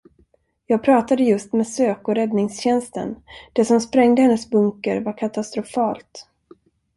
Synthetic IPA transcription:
jɑːɡ̚pʰɾɑːt̪ad̪əjɵst̪mɛːsøːkɔɾɛd̪nɪŋsɕɛnst̪ə̰nd̪̥ɛsɔmspɾɛŋd̪əhɛnːəsbɵŋkəɾvaɾkʰat̪ast̪ɾʊfɑːlt̪

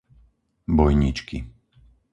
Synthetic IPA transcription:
bɔjɲit͡ʃki

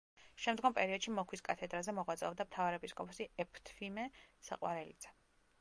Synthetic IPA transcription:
ʃɛmd̪ɡɔmpʼɛɾiɔd̪̥ʃimɔkʰwiskʼat̪ʰɛd̪ɾazɛmɔʁwat̪sʼɛɔbd̪amt̪ʰavaɾɛpʼiskʼɔpʰɔsiɛpʰt̪ʰfimɛsa̰qʼwa̰ɾɛlḭd̪z̥ɛ

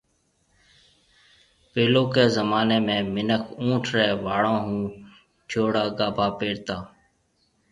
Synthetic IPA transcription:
peːloːkeːzəmaːneːmẽːmɪnəkʰũːʈʰɾɛːʋaːɽãːɦũː | t͡ʃʰoːɽaːɡaːbʱaːpeːɽt̪aː

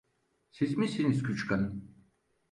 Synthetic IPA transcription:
sizmisinizkʰyt͡ʃkʰan

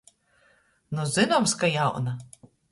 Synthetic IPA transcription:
nuzɨnɔmskajawna

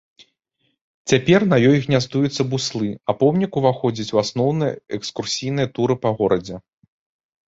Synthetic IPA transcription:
t͡sʲapʲɛrnɐjɔjɣnʲazd̪ujut̪sːɐbuslˠɨɐpɔwnʲikuvaxɔd͡zʲit͡sʲwasnɔwnɨjɛɛkskursʲijn̪ɨjɐt̪uɾɨpɐɣɔɾɐd͡zʲɛ

